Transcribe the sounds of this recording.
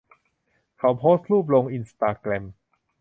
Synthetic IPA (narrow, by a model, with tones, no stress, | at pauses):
kʰa˨˩wpʰoː˦˥st̪̚ɾuː˥˩p̬̚lo˧ŋʔi˧nst̪aː˧klɛ˧m